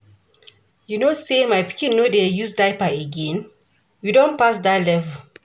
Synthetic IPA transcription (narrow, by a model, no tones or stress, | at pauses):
junosemajpi̥kĩnːodejusdaɪpaeɡɛ̃n | widõnpas̬dalɛvə